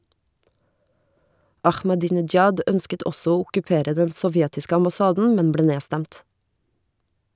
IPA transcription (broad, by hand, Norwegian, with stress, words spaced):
ɑxmɑˌdiːnɪd͡ʒˈjɑd ˈœnskət ˈɔsɔ ˈoː ʊkʉˈpeːɾə ˈdɛn sɔˈʋjɛtɪsk ɑmbɑˈsɑːdn̩ ˈmɛn ˈbleː ˈneːstæmt